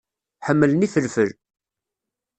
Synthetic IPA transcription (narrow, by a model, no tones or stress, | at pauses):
ħəmːələniθəlfəl